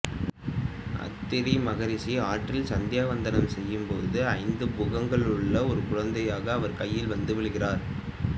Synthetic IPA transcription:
ʔɐ̰t̪ːɪɾimɐɣɐɾɪsiaːʈrɪlsɐnd̪ɪjaːʋɐnd̪ɐnɐmsɛjːɯmpoðɯɐɪnd̪ɯbʊɣɐŋɡɐɭɯɭːɐɔɾɯkʊɻɐnd̪ɐjaːɣɐːʋɐɾkɐjːɪlʋɐnd̪ɯʋɪɭɯɣɪraːɾ

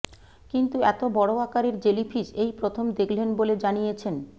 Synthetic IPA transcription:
kint̪uɛt̪obɔɽoakaɾeɾd͡ʑelifʰiʃejpɾot̪ʰomd̪ekʰlenboled͡ʑanijet͡ɕʰen

